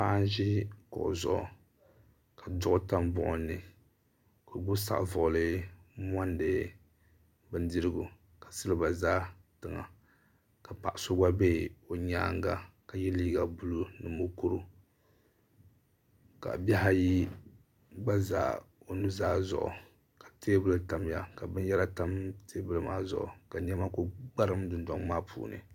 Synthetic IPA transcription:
pa˦n˦ʒɪ˦kɔ̰˨zʊ̰˨ʔʊ̰˨ | ka˨dʊ˦ʔʊ˦ta˦mbʊ̰˦ʔʊ˨nːɨ˨ | ko˨ɡʊ˦sa̰˨ʔvʊ˨ʊ˨lɨ˦m˦a˦ndɨ˨ | bɨ˦n˦dɨ˦ɾɨ˦ɡʊ˨ | ka˨sɨ˦lɨ˦ba˨zaː˦tɨ˨ŋa̰˨ | ka˨pa˨ʔso˦ɡ͡ba˦be˦o˨ɲaː˦ŋɡa˦ka˨jɛ˦liː˦ɡa˨bu˦lu˦nɨ˨mo˦ku˦ɾu˦ | ka̰˨bɛ˦ɦa˦ji˦ | ɡ͡ba˦za̰ː˨o˨nɨ˦zaː˦zʊ̰˨ʔʊ̰˨ | ka˨teː˦bɨ˦lɨ˨ta˨m˦ja˨ka˨bɨ˦n˦ɛ˦ɾa˦ta˦mteː˦bɨ˦lɨ˨˦ma̰ː˦zʊ̰˨ʔʊ̰˨ka˨ɲ˦ɛ˦ma˦ko˦ɡ͡ba˦ɾɨ˦mdɨ˨nda˨˦ŋmaː˦pʰṵː˨nɨ̰˨

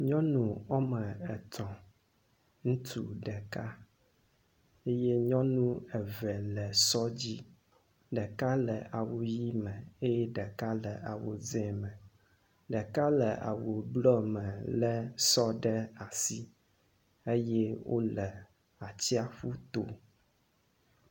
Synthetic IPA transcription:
ɲɔ̃˦nũ˨ɔ˦mɛ˨ɛ˨t̪ɔ̃˨ | ŋũ˦t̪ʰṵ˦ɖɛ˨ka˦ | e˦je˦ɲɔ̃˦nũ˦ɛ˨vɛ˨lɛ˨sɔ˦d͡ʑi˦ | ɖɛ˨ka˦lɛ˨a˨wo˨ji˦mɛ̃˨e˦jɛ˦ɖɛ˨ka˦lɛ˨ʔa˨wo˨zɛ˨˦mɛ̃˨ | ɖɛ˨ka˦lɛ˨ʔa̰˨wo˨blɔ˦mɛ̃˨lɛ˦sɔ˦ɖɛ˦a˨si˦ | e˦jɛ˦wʔo̰˦lɛ˨ | a˨t͡ɕi˦a˨ɸu˦t̪o˦

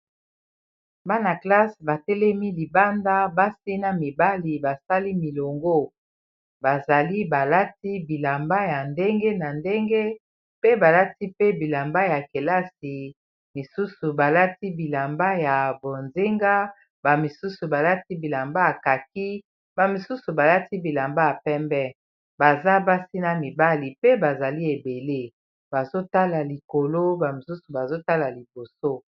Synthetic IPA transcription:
ba˦na˨kla˦sba˨tɛ˦lɛ˦mi˦li˨ba˦nda˦ba˦si˦na˦mi˨ba˦li˨ba˨sa˦li˦mi˨lo˨ŋɡo˦ | ba˨za˨li˦ba˨la˦ti˦bi˨la˨mba˦ja˨nde˦ŋɡe˦na˨nde˦ŋɡe˦ | pe˦ba˨la˦ti˦pe˦bi˨la˨mba˦ja˨ke˨la˦si˨ | mi˨su˦su˨ba˨la˦ti˦bi˨la˨mba˦ja˨bo˨nze˦ŋɡa˦ | ba˨mi˨su˦su˨ba˨la˦ti˦bi˨la˨mba˦a˨ka˨k̚i˦ | ba˨mi˨su˦su˨ba˨la˦ti˦bi˨la˨mba˦ja˨pɛ˦mbɛ˦ | ba˨za˦ba˦si˦na˨mi˨ba˦li˨pe˦ba˨za˨li˦e˨be˨le˦ | b̥a˨zo˦ta˦la˨li˨ko˨lo˦ba˨mi˨su˦su˨ba˨zo˦ta˦la˨li˨bo˨so˦

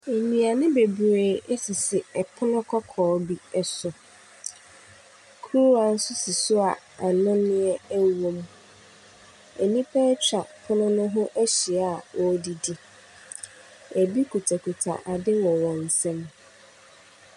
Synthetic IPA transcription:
e˨nĩ˨a˨nɪ̃˦be˨bu˨e˨ɛ˦sɪ˨sɪ˨ɛ˨pʰʊ˦nʊ̃˦kʰɔ˦kʰɔː˨˦bi˦ɛ˨sʊ˨ | kʰɾu˦a˨n̩˦sʊ˦si˨sʊ˦a˨ | a˨nʊ̃˦nɪ̃˦ɛ˦wo˨m | æ˨nĩ˦pʰɛ˦t͡ɕʰᶣa˨pʰʊ˦nʊ̃˦nʊ̃˦ɦʊ̃˦ʔæ˦ɕi˨a˦˨wɔ˦di˦di˦ | æ˨bi˦kʰu˨tʰa˨kʰu˨tʰa̰˨ʔa˨dɪ˦wɔ̃˨wɔ̃˨n̩˨sɛ̃˦m

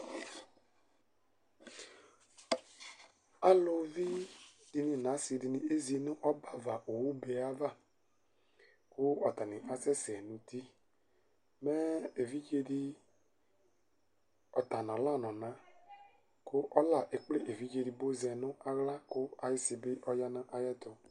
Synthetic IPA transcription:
a˦lo˧vi˦d̥i˧nĩ˨nã˨˦si˧di˧ni˨e˦zi˧nʊ̃˦ʔɔ˦ba˦˨va˨ʔo˨wu˦be˧a˦va˦˨ | kʊ˦ɔ˨ta˨ni˨ʔa˨sɛ˦sɛ˨nu˧ti˦ | mɛ˦e˨vi˦d͡ʒe˧di˧ | ɔ˨ta˨nɔ̃˨la˦˨nɔ̃˨nã˨˦ | kʊ˦ʔɔ˦la˨ʔe˨k͡ple˦˨ʔe˨vi˦d͡ʒe˧di˨bo˦zɛ˧nʊ̃˦ʔa˦ɣla˦kʊ˦a˨jɪ˦si˧bɪ˦ʔɔ˦ja˦nã˦ʔa˦jɛ˦t̪ʊ˨

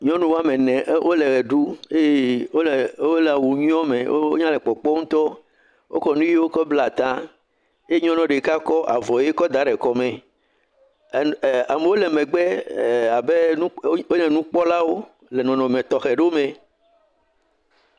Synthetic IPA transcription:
ɲɔ̃˦nũ˦wo˦a˦mẽ˨nɛ̃˨ʔwʔo˦lɛ˨ɣɛ˨ɖu˦e˦o˦˨o˦lɛ˨a˨wu˨ɲũ˦ɔ̃˦mẽ˨wo˦o˦ɲã˦lɛ˨k͡pɔ˨k͡pɔ˦ŋũ˦t̪ɔ˦ | wʔo̰˦kɔ˨nũ˦ji˦wo˦kɔ˦bla˨t̪ã˦ | je˦ɲɔ̃˦nɔ̃˨ɖe˨ka˦kɔ˦ʔa˨vɔ˨je˦kɔ˦d̪a˦ɖɛ˨kɔ˨mẽ˨ | a˨me˨wo˦lɛ˨mẽ˨ɡ͡bɛ˦˨a˨be˦nũ˦o˦nɛ̃˨nũ˦k͡pɔ˦la˦wo˦ | lɛ˨nɔ̃˨nɔ̃˨mɛ̃˨t̪ɔ˨xɛ˨ɖe˦o˦mẽ˨

